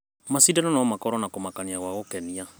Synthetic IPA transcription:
masidanɔnɔmakɔɾɔnakomakaniaɣwaɣokɛnia

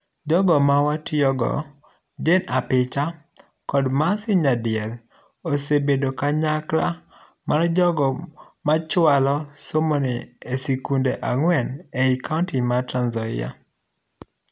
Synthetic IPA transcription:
d͡ʒɔɡɔmawatjɔɡɔ̰ | d͡ʒenapɪt͡ʃa | kɔdmasɪɲadɪɛl | osebedokaɲakla | mard͡ʒɔɡɔmat͡ʃwalɔsomoniesikundeʔaŋwɛneikaʊntimatɾanzɔɪ̰ja̰

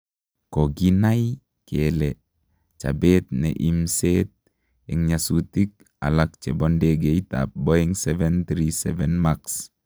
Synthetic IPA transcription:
koɡinaj | kɛlɛ | t͡ʃa̰bɛt̪̚nɛ̰ʔimsɛt̪̚ | ɛŋɲasut̪ik̚ | a̰lak̚t͡ʃɛbɔndeɡeit̪a̰p̚bɔɛŋsɛvɛnt̪ɾisɛvɛnmaks

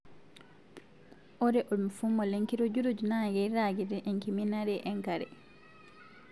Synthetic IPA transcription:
ʔɔɾɛʔodumfumːɔleŋkiɾod͡ʒuɾod͡ʒunaːɡɛjɾaːɡidɛʔɛŋkiminaɾɛʔɛŋkaɾɛ̰

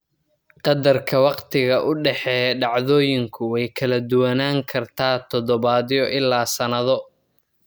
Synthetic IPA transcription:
qɑd̪ɐrkʰɐwɑqt̪ʰɪɣɐʔʊɖɛħɛːɖɑʕðɔːjɪŋkʰʊwɛjkʰɐlɐd̪ʊwɐnaːŋkʰɐrt̪ʰaːt̪ʰɔd̪ɔβaːðɪjɔʔɪlːaːsɐnɐðɔ

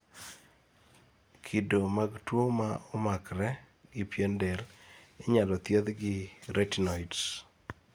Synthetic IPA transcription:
kʰidomaɡtwomaʊmakɾɛ | ɡɪpjendelɪɲalɔt̪jed̪ɡɪɾetinɔjts

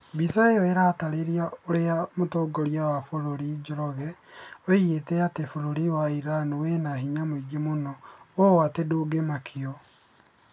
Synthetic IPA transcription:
bisaeweɾaːtaɾeɾiaoɾeamotoːɡoɾiawafoɾoɾid͡ʒoɾɔɣɛoietɛatefoɾoɾiwaiɾanuwenaɦiɲamoiɡemonɔowateduɡemakʰiɔ

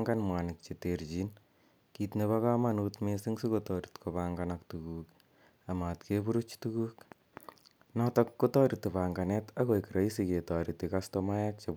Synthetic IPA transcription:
ŋɡanmwanik̚t͡ʃetert͡ʃin | kitneβakamanutmesiŋsikotɔɾi̥tkopaŋɡanaktukuːk | amatkepuɾut͡ʃtukuːk | nɔtɔkːotɔɾitepaŋɡanɛtakojkiɾaisiketɔɾitikastomajak̚t͡ʃep

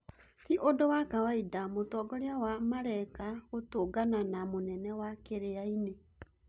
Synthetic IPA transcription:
tiʔodowakawaidamotɔɡɔɾeawamaɾɛkaɣotoːɡananamonɛnɛwakeɾeaine

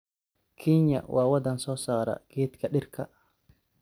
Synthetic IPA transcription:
kʰɛːɲːɐ̰wʔaːwɐd̪ɐnsɔːsaːɾɐ̰ɡ̥eːt̪kʰɐɗɪrkʰɐ

